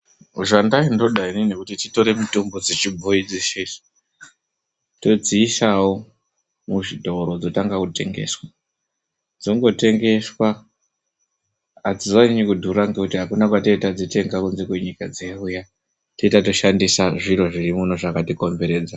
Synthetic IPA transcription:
uʐandaindo̞ɗainine̞kutitito̞ɾe̞mitombod͡zit͡ʃibʱoid͡ziʃes | to̞d͡ziːsawo | muʐidʱo̞ɾod͡zo̞taŋɡakute̞̰ŋɡe̞̰swa | d͡zo̞ŋɡo̞te̞ŋɡe̞swa | ad͡zizaiɲikudʱuɾaŋɡe̞kutiɦakunakwatoitad͡zite̞ŋɡakunze̞kwe̞ɲikad͡zeuja | to̞itato̞ʃandisaʐiɾo̞ʐirimunoʐakatiko̞mbe̞ɾe̞ːd͡za

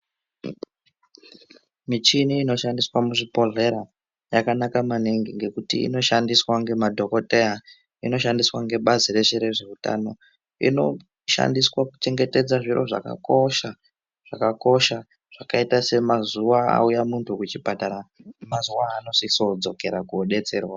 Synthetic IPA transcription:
mit͡ʃiniːno̞ʃandiswamuʐipo̞ɮe̞ɾa | jakanakamaneŋɡiŋɡe̞kutiḭno̞ʃandiswaŋɡe̞madʱo̞ko̞teja | ino̞ʃandiswaŋɡe̞ɓazire̞ʃeɾe̞ʐe̞uta̰no̞ | ḭno̞ | ʃa̰ndiswakut͡ʃe̞ŋɡe̞te̞d͡zaʐiro̞̰ʐa̰ka̰ko̞ʃa | ʐ̥akako̞ʃa | ʐ̥akaitase̞mazuwaa̰ujamuntʰukut͡ʃipataɾamazuwaːno̞siso̞d͡zo̞ke̞ɾakuoɗe̞t͡se̞ːrwa

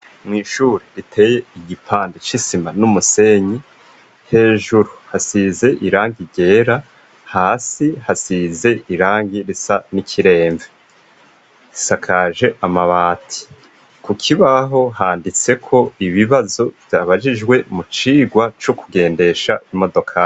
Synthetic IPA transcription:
mŋiːʃuːɾiɾitʰe̞ːje̞iɟipʰaːndit͡ʃisimanumuse̞ɲi | he̞ːʒuɾuhasize̞ʔiɾaːŋɡiɟe̞ːɾa | haːsihasize̞ʔiɾaːŋɡiɾisanikʰiɾe̞ːɱve | isakʰaːʒe̞ʔamaβaːtʰi̥ | kukʰiβaɦo̞ɦaːndit͡se̞kʰo̞iβiβazo̞vjaːβad͡ʒid͡ʒɡwe̞mut͡ʃiːɡwat͡ʃokuɡe̞ːnde̞ʃaimo̞do̞kʰai

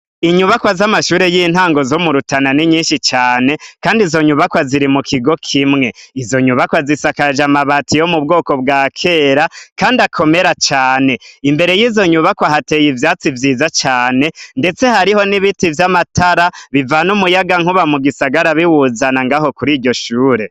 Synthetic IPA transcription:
iɲuβakwazamaʃuːɾe̞jiːn̥haːŋɡo̞zo̞muɾutananiɲiːnʃit͡ʃaːne̞kaːndizo̞ɲuβakwaziɾimukʰiɡo̞kʰimŋe̞izo̞ɲuβakwazisakaʒamaβatijo̞mub̚ɡo̞ːko̞bɡaːkʰe̞ɾakaːndiakʰo̞me̞ɾat͡ʃaːne̞imbe̞ɾe̞jiːzo̞ɲuβakwaɦatejivjaːt͡sivjiːzat͡ʃaːne̞nde̞t͡se̞haɾiho̞niβitivjamatʰaɾaβivanumujaɡaŋuβamuɡisaɡaɾaβiwuzanaŋɡaːɦo̞kuɾiːɟo̞ʃuːɾe̞

